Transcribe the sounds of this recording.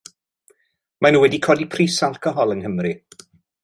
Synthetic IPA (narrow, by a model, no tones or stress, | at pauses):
manuːwɛdikʰɔːdipʰriːsalˠkʰɔɦɔlˠənɦəmri